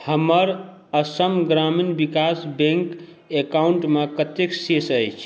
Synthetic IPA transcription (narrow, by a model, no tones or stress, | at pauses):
həməɾəsəmɡɾaminbikasbẽŋk | ekauɳʈmekət̪eksesəjt͡ʃʰ